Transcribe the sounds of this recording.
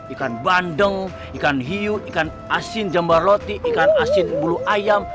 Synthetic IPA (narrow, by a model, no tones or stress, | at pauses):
ikanbandəŋ | ikanɦiuikan | asind͡ʒambarlot̪iʔːkanasinbuluʔajam